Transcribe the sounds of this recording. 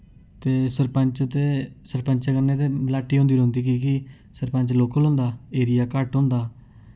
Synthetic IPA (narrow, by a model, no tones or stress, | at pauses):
t̪eːsəɾpəɲt͡ʃt̪eːsəɾpəɲt͡ʃːkənːeːt̪eːlaːʈːiːɦõːnd̪iːɾõːnd̪iːk̬iːki | səɾpə̃ɲt͡ʃloːkʰlõːnd̪aːeːɾɪjaːkəʈɦõːnd̪aː